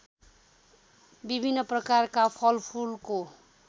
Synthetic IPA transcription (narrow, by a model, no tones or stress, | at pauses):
bibʱinːʌprʌkarkapʰʌlpʰulko